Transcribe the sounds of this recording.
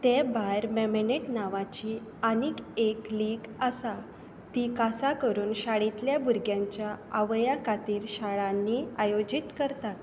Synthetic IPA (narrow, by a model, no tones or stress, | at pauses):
t̪ebajɾmemeneʈnaʋat͡ɕiː | anikekliːɡəsa | t̪ikasakəɾuːnɕaɽit̪ljabuɾɡjãɲt͡ɕjaaʋjakat̪iːɾɕaɭãnːiajod͡ʑit̪kəɾt̪at̪